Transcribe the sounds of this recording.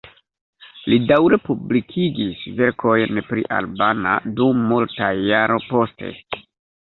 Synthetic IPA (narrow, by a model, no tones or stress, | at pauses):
lidawɾe̞publikʰiɡisve̞ɾkʰo̞jnpɾḭʔa̰lbana̰dumːultajaɾo̞po̞ste̞̰